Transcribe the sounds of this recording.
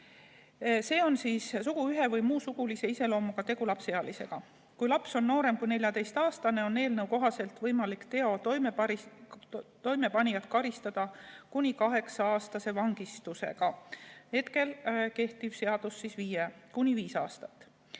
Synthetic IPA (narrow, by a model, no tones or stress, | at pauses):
se̞ːo̞nsiːssuɡ̥uyɦe̞vɯjmuːsuɡ̥ulise̞ise̞lo̞ːmuɡ̥ɑt̪e̞ɡ̥ulɑpse̞ɑlise̞̰ɡ̥ɑ | kujlɑpso̞nːo̞ːɾe̞mkujne̞lʲjɑt̪e̞jst̪ɑːst̪ɑne̞o̞nːe̞ːlnɤwko̞ɦɑse̞lt̪vɤjmɑlikt̪e̞o̞t̪om | t̪o̞jme̞pɑnʲijɑt̪kɑɾist̪ɑd̪̥ɑkunʲikɑɦe̞ksɑɑːst̪ɑse̞vɑŋɡ̥ist̪use̞̰ɡ̥ɑhe̞t̪ke̞lke̞ht̪iv̥se̞ɑd̪̥usːisviːjekunʲiviːsɑ̰ːst̪ɑt̪ːˑ